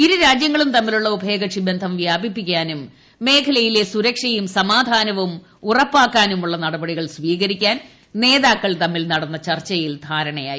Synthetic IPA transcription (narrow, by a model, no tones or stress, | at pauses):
iɾuɾaːd͡ʑjɐŋːɐɭumt̪ɐmːiluɭːɐubʱe̞ːɡɐʂibend̪ʱɐmʋjaːbipːik̬ʲːaːnumː | e̞ːkʰɐlɐjile̞suɾɐkʂɐjumsɐmaːd̪ʱaːnɐʋum | urɐpːaːkːaːnumuɭːɐnɐɽɐbɐɽiɣɐɭsʋiːɣɐɾikʲːaːn | ne̞ːðaːkːɐɭt̪ɐmːilnɐɽɐnːɐt͡ɕɐrt͡ɕːɐjild̪ʱaːɾɐɳɐja̰ːji